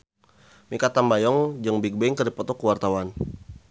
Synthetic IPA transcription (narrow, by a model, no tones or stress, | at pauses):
mikat̪ambajɔŋd͡ʒəŋbik̚bɛŋkərdipɔt̪ɔkuwart̪awan